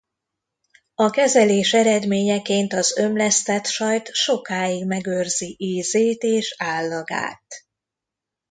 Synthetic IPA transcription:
ɒkɛzɛleːʃɛɾɛd̪meːɲɛkeːnt̪ɒzø̞mlɛst̪ɛt̪ʃɒjt̪ʃo̞kaːjiɡmɛɡørziʔeːzeːt̪eːʃaːlːɒɡa̰ːt̪

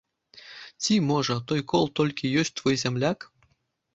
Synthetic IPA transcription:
tʲimoʐɤ̆t̪ojkolˠt̪olʲkʰʲijøsʲt̪vojzʲemlʲɑk

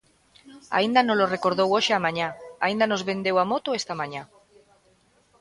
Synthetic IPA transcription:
a̰ind̪anolorekoɾðowoʃeamãɲaa̰ind̪anozβẽ̞nd̪ewamot̪oest̪amaɲa

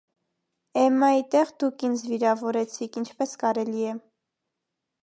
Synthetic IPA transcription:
ɛmɑit̪ɛʁd̪ukʰind͡zviɾɑvɔɾɛt͡sʰikʰint͡ʃʰpɛskɑɾɛliɛ

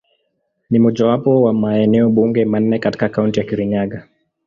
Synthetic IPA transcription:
nimɔʄawapɔwamaɛnɛɔɓuŋɡɛman̩ːɛkati̥kakauntijakiɾiɲaɠa

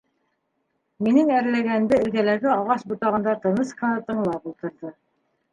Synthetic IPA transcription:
minɘŋæɾlæɡænd̪ɘɘ̆lɡælæɡɘɑʁɑʃbut̪ɑʁɤ̆nd̪ɑt̪ɤ̆nɤsqɤ̆nɑt̪ɤ̆ɴlˠɑpulˠt̪ɤ̆ɾðɤ

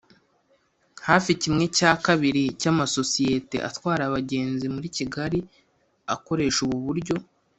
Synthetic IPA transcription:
haːficimŋe̞caːkaβiɾicamaso̞sije̞te̞̰ʔa̰twaːɾaβaɟe̞ːnzimuɾiciɡaɾi | ako̞ɾe̞ːʃuβuβuɾɟo̞

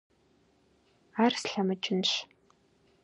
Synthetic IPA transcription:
arsɬamɐt͡ʃʼɪnɕ

